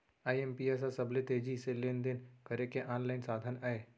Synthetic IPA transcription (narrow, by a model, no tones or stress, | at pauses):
aːiempias̬asɐblet̪eːd͡ʒiseleːnd̪ɪnkəɾekeʔãːnlaːɪnsaːd̪ʱənae